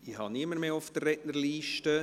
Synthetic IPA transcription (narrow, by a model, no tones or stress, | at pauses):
ihɑniəməɾmeːʊfd̥̪ərːɛtnəliːʃtə